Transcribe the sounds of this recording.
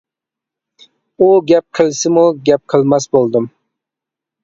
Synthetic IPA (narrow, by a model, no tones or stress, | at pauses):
uɡʲap̚qʰɨlˠsɪmʊɡʲap̚qʰɨlˠmasbolˠd̪ɪm